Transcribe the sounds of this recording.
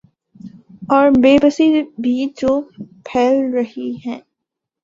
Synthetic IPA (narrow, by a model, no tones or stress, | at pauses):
ɔːɾbeːbəsibʱiːd͡ʒoːpʰɛːlɾɐɦiɦɛ̃ː